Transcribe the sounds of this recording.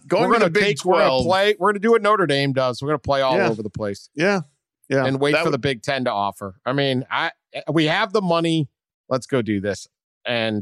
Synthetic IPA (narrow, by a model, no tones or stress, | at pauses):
ɡoʊ˞ɡʌnɨteɪkɹlˠl̥eɪwɪəɹɡʌnədɨwʌnoʊɾə˞ɡẽɪ̃mdʌzwəɹɡʌ̃nəpʰl̥eɪɔllæoʊvə˞ðəpʰl̥eɪsjæ | jæɨ̃nweɪtfə˞ðəbɪɡ̚tʰɛ̃ntəɔfə˞aɪmĩna̰ɪ | wiɨvðəmʌni | lətsɡ̥oʊdɨðɪs | ʔɨ̃n